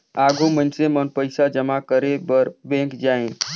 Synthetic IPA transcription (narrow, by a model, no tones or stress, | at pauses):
aːɡʱomənsemənpəɪsad͡ʒəmakəɾebəɾbẽkd͡ʒaẽ